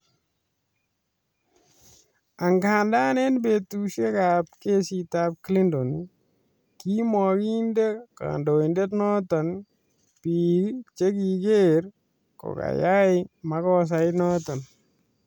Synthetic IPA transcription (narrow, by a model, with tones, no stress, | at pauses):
a˨ŋɡaː˨nda˦ne˦nbe˨tu˨ʃe˦kap̚ke˦si˨ta˦p̚kli˦ndɔ˨n | ki˦mɔ˨ki˦nde˦ka̰ndo˨i˨nde˦tnɔ˦tɔ˨n | pi˨lt͡ʃe˦ki˨ɡeɾ | ko̰˨ka̰˨ja˦ɪma˦kɔs̬a˨ɪnɔtɔ˨n